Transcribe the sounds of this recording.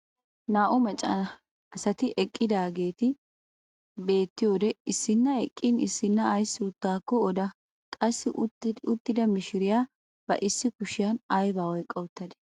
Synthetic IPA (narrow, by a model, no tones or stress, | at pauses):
naːʔʊmɛt͡ʃʼːɐnɐ | ɐsɐt̪ɪʔɛkʼːɪd̪aːɡeːt̪ɪ | be̞ːt̪ːɪjo̞ːd̪ɛɪsːɪnːɐɛkʼːɪnɪsːɪnːɐːjsuːt̪ːaːkːɔːd̪ɐ | kʼɐsːɪʔʊʊt̪ːɪd̪ɐmɪʃɪɾɪjaː | b̥ɐ̰ʔɪsːɪkʊʃɪjɐnɐjbaːwɔjkʼːɐwʊt̪ːɐd̪ɛ̥